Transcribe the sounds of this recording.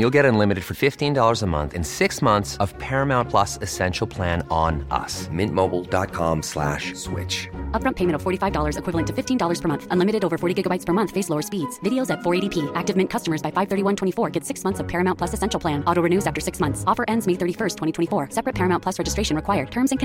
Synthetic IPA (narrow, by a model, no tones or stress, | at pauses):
julˠɡɛɾə̃nlɪ̃mɨɾɨd̥fə˞fɪftĩndɔlˠə˞zəmʌ̰̃nθɨ̰̃nsɪksmʌ̃nθsʌv̥pʰɛɹɨmãʊ̃npʰl̥ʌsɨsɛ̃nʃl̩ˠpʰl̥æ̃ñnʔʌ̰smɪ̃nʔmoʊbl̩ˠdɑ̰t̚kʰɑ̰̃mslæ̰ʃswɪ̰t͡ʃʌp̚ɹʌ̃mpʰeɪ̃ɨ̃ɾ̃tʌv̥fɔɹɾifaɪvdɔlˠə˞zɨkʰw̥ɪvl̩ˠɨ̃ntʰɨfɪftĩndɔlˠə˞z̥pʰə˞mʌ̃nθʔə̃nlɪ̃mɨɾɨɾoʊvə˞fɔɹɾiɡɪɡəbaɪtspʰə˞mʌ̃nθfeɪsloʊə̥˞spidz̥vɪɾioʊzɨtfɔɹeɪɾipʰiæk̚tɨvmɪ̃nkʰʌstəmə˞zbaɪfaɪv̥θɜ˞ɾiwʌ̃ntʰw̥ɛ̃ifɔɹɡɛtsɪksmʌ̃nθsʌv̥pʰɛɹɨmãʊnpʰl̥ʌsɨsɛ̃nʃl̩ˠpʰl̥æ̃nɔɾoʊɹɨnʉzæftə˞sɪksmʌ̃nθsɔfə˞ʔɛ̃ndzmeɪθɜ˞ɾifɜ˞stʰwɛ̃ɾ̃itʰwɛ̃ifɔɹsɛpɹɨt̚pʰɛɹɨmãʊ̃npʰʌsɹɛd͡ʒɨstɹeɪʃɨ̃nɹɨkʰwaɪə˞d̚tʰɜ̃˞mzɨ̃nkʰ